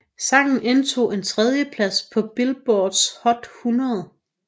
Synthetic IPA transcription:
sɑ̈ɡ̥n̩ʔent͡sʰo̝̰ːe̝nt͡sʰʁɛð̞ˠjəpʰlæspʰɒ̽b̥elb̥ɒːd̥shɒ̽d̥hunʁɐðˠ

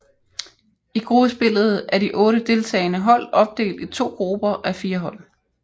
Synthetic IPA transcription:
iɡ̥ʁub̥əsb̥e̝l̰ð̞̩ˠæɐd̥iʔɔ̽ːɾəd̥e̝lt͡sʰɛ̰ːɪnəɦɒ̽l̰ɒ̽b̥̚d̥e̝̰ːld̥it͡sʰo̝̰ːɡ̥ʁub̥ɐʔæfiːɐɦɒ̽l̰

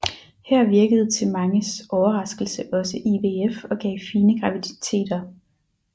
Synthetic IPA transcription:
hæɐ̰ʋiɐɡ̥əð̞̩ˠt͡sʰe̝lmɑ̈ŋəsɒʊɐʁɑ̈sɡ̥l̩səʔɒ̽səʔiʋe̝efɒ̽ɡ̥ɛ̰ːfiːnəɡ̥ʁɑ̈ʋid̥i̥t͡sʰe̝̰ːd̥ɐ

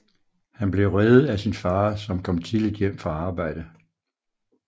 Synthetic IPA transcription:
hænb̥le̝ʊʁɛðˠð̩ˠæsinfɑ̈ːsɒ̽mkʰɒ̽m̰t͡sʰiðlid̥jem̰fɑ̈ɑ̈ːb̥ɑ̈ɪ̰d̥ə

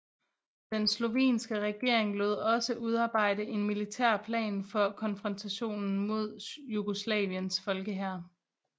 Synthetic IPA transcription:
d̥enslo̝ʋḛːnsɡ̥əʁɛɡ̥e̝ɐ̰e̝ŋloð̰ˠɒ̽səʔuð̞ˠɑ̈ːb̥ɑ̈ɪ̰dəʔe̝nmilit͡sʰæɐ̰pʰlɛ̰ːnfɒ̽kʰɒ̽nfʁɒ̽nt͡sʰæɕo̝̰ːnn̩mo̝ð̞̰ˠjuɡ̥oslɛ̰ːʋiənsfɒ̽lɡ̥əɦæɐ̰

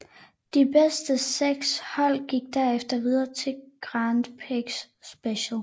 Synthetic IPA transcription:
d̥ib̥esd̥əseɡ̥shɒ̽l̰ɡ̥iɡ̥̚d̥æɐefd̥ɐʋið̞ˠɐːt͡sʰe̝lɡ̥ʁɑnd̥pʰeɡ̥s | b̥eɕl̩

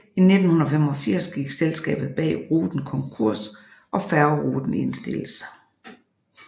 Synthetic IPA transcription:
ine̝d̥n̩hunɐfemɒ̽fiɐ̰sɡ̥iɡ̥selsɡ̥ɛ̰ːb̥ð̩ˠb̥ɛ̰ːʁuːd̥n̩kʰɒ̽ŋkʰuɐ̰s | ʔɒ̽fæɐʊʁuːd̥n̩e̝nsd̥e̝ləs

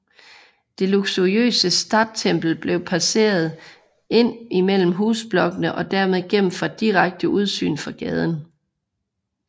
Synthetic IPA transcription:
d̥e̝luɡ̥suʁiø̰ːsəsd̥ɑ̈ːd̥̚t͡sʰem̰b̥l̩b̥le̝ʊpʰæse̝̰ːɐð̞̩ˠ | e̝n̰imel̰m̩ɦuːsb̥lɒ̽ɡ̥ənəʔɒ̽d̥æɐme̝ðˠɡ̥em̰m̩fɒd̥iʁaɡ̥̚d̥əʔuð̞ˠsy̰ːnfɒ̽ɡ̥ɛːð̞ˠn̩

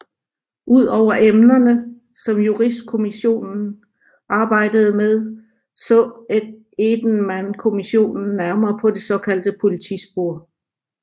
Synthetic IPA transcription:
ʔuð̞̰ˠɒʊ̰ɐʔemnɐnə | sɒ̽mjuʁisd̥̚kʰo̝miɕo̝̰ːnn̩ | ʔɑ̈ːb̥ɑ̈ɪ̰d̥əð̞̩ˠəmeð̞ˠ | sɒ̽ed̥ | ed̥n̩mænkʰo̝miɕo̝̰ːnn̩ːæɐmɐːpʰɒ̽d̥e̝sɒ̽kʰæl̰d̥əpʰo̝lit͡sʰḭsb̥o̝ɐ̰

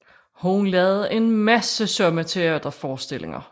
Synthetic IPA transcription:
hoŋlɛːð̩ˠe̝nmæsəsɒ̽mət͡sʰe̝æːd̥ɐfɒːsd̥e̝le̝ŋɐ̰

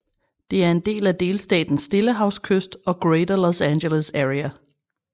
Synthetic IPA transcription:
d̥e̝æɐe̝nd̥e̝̰ːlæd̥e̝ːlsd̥ɛ̰ːd̥n̩sːd̥e̝ləɦɑ̈ʊskʰøsd̥ɒ̽ɡ̥ʁeːdɐlosænɡeləsæʁiæ

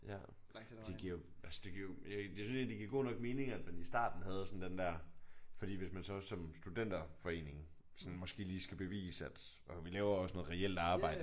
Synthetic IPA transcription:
jæ | d̥eɡ̥iɐ̰joælsə̥d̥e̝ɡ̥iɐ̰jojjesynsjend̥eɡ̥iɐɡo̝̰ːnɒ̽ɡ̥̚me̝ːne̝ŋæd̥mænisd̥ɑ̰̈ːd̥n̩hɦæð̞ˠəsɒ̽n̩d̥end̥æɐ̰fɒd̥ḭːʋesmænsɒ̽sɒ̽msd̥ud̥en̰d̥ɐfɒe̝̰ːne̝ŋ | sɒ̽nmɒ̽sɡ̥e̝̰ːliːsɡ̥æb̥e̝ʋḭːsæd̥ʔɒʋilɛːʊɐɒ̽snɔ̽ð̩ˠʁɛel̰d̥ɑ̈ːb̥ɑ̈ɪ̰də

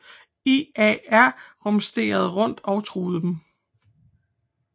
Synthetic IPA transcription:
iɛæɐ̰ʁɔ̽msd̥e̝̰ːɐð̞̩ˠʁɔ̽n̰d̥ɒ̽ʊt͡sʰʁuːð̞̩ˠd̥em

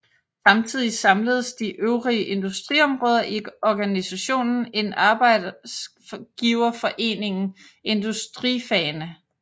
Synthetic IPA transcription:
sɑ̈mt͡sʰið̞̰ˠisɑ̈mləð̞ˠəsd̥iʔøʊʁiəʔe̝nd̥usd̥ʁiɒ̽mʁɔ̽ːð̞ˠɐʔiɒɡ̥ænisæɕo̝̰ːnn̩e̝nɑ̈ːb̥ɑ̈ɪ̰ds | ɡ̥iːʊɐfɒ̽ʔe̝̰ːne̝ŋn̩ | e̝nd̥usd̥ʁḭfɛːnə

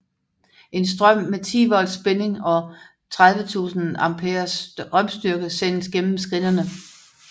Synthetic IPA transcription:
ʔe̝nsd̥ʁɶm̰ːet͡sʰḭːʋɒ̽l̰sb̥ene̝ŋɒ̽ | t͡sʰʁað̞ˠʋət͡sʰṵːsn̩ɑ̈mpʰeːɐsʁɶm̰sd̥yɐɡ̥əsen̰əsɡ̥en̰m̩sɡ̥ʁinɐnə

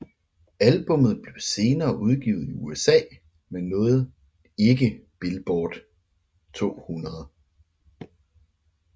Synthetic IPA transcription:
ælb̥ɔ̽mð̞̩ˠb̥le̝ʊse̝ːnɐːʔuð̞ˠɡ̥ḭːʊ̰ð̩ˠiuesɛ̰ː | menːɔ̽ːð̩ˠ | e̝ɡ̥əb̥elb̥ɒːd̥ | t͡sʰo̝̰ːhunɐðˠ

